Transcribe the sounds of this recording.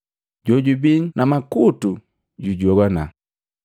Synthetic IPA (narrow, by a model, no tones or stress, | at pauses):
ɟɔɟubinnamakutu | ɟuɟɔɡana